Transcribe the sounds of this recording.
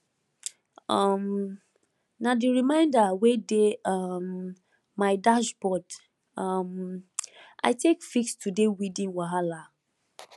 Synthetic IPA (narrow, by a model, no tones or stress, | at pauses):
ʌm | nadiɹimãɪ̃ndawedeamː | aɪdaʃbɔd | am | ʔa̰ɪtekfikstudewidĩnwaɦala